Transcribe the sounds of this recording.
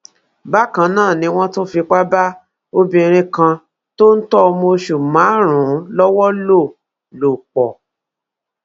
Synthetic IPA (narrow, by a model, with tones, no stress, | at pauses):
ba˦kã˧nãː˦˨nĩ˧˦w̃ɔ̃˦to˦fi˧k͡pa˦ba˦ | o˦bĩ˧ɾ̃ĩ˧kã˧ | to˦n̩˦tɔ˦˧mo˧ʃu˨mã˨˦ɾ̃ũ˨˦lɔ˦wɔ˦lo˦˨ | lo˨k͡pɔ˨